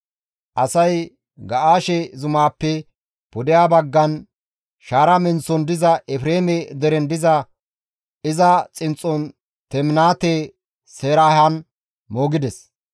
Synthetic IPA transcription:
ʔɐsɐj | ɡɐʔaːʃɛzʊmaːpːɛ | pɔd̪ɪjaːbɐɡːɐn | ʃaːɾɐmɛnt͡sːɔnd̪ɪzɐʔɛfɾeːmɛd̪ɛɾɛnd̪ɪzɐ | ɪzɐt͡sʼɪnt͡sʼːɔn | t̪ɛmnaːt̪e | seːɾaːhɐn | moːɡɪd̪ɛs

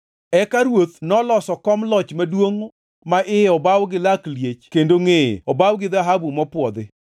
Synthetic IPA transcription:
ɛkaɾwot̪nɔlɔsɔkɔmlɔt͡ʃmadwoŋ | maʔɪɔbawɡɪlakljet͡ʃkendoŋḛɔbawɡɪðaɦabumɔpwɔd̪ɪ

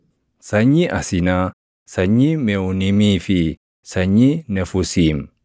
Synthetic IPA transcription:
saɲiʔasina | saɲimeunimifi | saɲinefusim

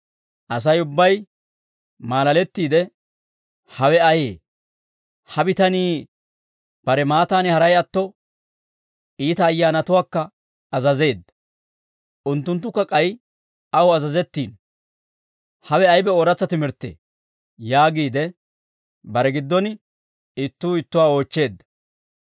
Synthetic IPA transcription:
ʔɐs̬ɐjʊbːɐj | maːlɐlɛt̪ːiːd̪ɛ | hɐwɛɐjḛː | hɐbɪt̪ɐniː | b̥ɐɾɛmaːt̪aːnɪhɐɾɐjɐt̪ːɔ | iːt̪ɐːjːaːnɐt̪ʊwaːkːɐː | zɐze̞ːd̪ɐ | ʔʊnt̪ːʊnt̪ːʊkːɐkʼɐj | ɐwɔɐzɐzɛt̪ːiːn | hɐwɛɐjbɛoɾɐt͡sːɐt̪ɪmɪɾt̪ːḛː | jaːɡiːd̪ɛ | bɐɾɛɡɪd̪ːɔn | ɪt̪ːuːɪt̪ːʊwaːo̞ːt͡ʃːe̞ːd̪ːɐ̥

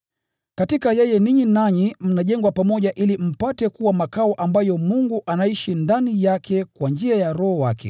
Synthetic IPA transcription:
katikajɛjɛniɲinaɲim̩naʄɛŋɡwapamɔʄaʔilim̩patɛkuwamakaɔʔambajɔmuŋɡuʔanaiʃindanijakʰɛkwand͡ʒiajaɾɔhɔwakɛ̰

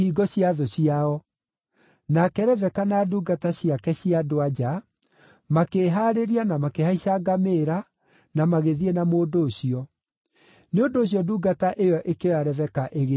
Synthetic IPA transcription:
iɡɔɕijaðoɕiaɔ | nakɛɾɛvɛkanaduːɡataɕiakɛɕiadoad͡ʑa | makeɦaɾeɾianamakehaiɕaɡameːɾa | namaɣeðiɛnamoːdoːɕiɔ | neondoːɕ̬iɔduːɡataʔejɔʔekewaɾɛvɛkaʔeɣe

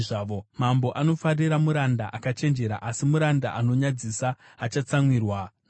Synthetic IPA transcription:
ʐaʋomambo̞ʔano̞fariɾamuɾandaʔakat͡ʃe̞nd͡ʒe̞ɾa̰ʔasimuɾanda̰ʔano̞ɲad͡zisaː | t͡ʃat͡samwiːrwa

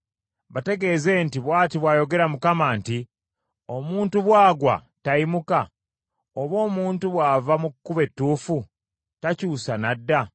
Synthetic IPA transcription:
βate̞ɡe̞ːze̞ntiβwaːtiβwaːjo̞ɡe̞ɾamukamaːnti | o̞muːntuβwaːɡwa̰ | taimuka | oβo̞ːmuːntuβwaːvamukːuβe̞tːuːfu | tacuːsanadːa

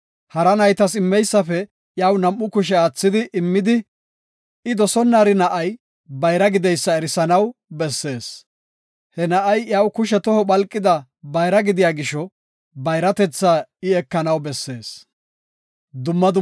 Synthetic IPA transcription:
hɐɾɐnɐjt̪ɐsɪmːɛjsːɐfɛ | jaːwnɐmːʊkʊʃ̬ɛaːt͡sːɪd̪ɪʔɪmːɪd̪ɪ | ɪd̪ɔsɔnːaːɾɪnɐʔɐj | bɐjɾɐɡɪd̪ɛjsːɐɛɾɪsɐnɐwbɛsːe̞ːs | hɛnɐʔɐjjaːwkʊʃ̬ɛt̪ɔhɔɓɐlkʼːɪd̪ɐ | bɐjɾɐɡɪd̪ɪjaːɡɪʃɔ | bɐjɾɐt̪ɛt͡sːaɪɛkːɐnɐwbɛsːe̞ːs | d̪ʊmːɐd̪ʊ

